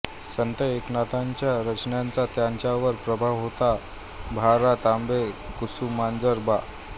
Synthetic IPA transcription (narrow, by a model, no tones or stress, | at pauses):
sənt̪əeknat̪aɲt͡ɕjaɾət͡ɕnjant͡sat̪jaɲt͡ɕjaʋəɾpɾəbʱaʋɦot̪a | bʱaɾat̪ambekusumand͡zəɾba